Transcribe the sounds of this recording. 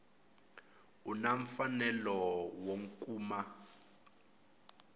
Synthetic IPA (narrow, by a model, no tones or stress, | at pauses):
unaɱfanɛlɔwoŋkʼuːma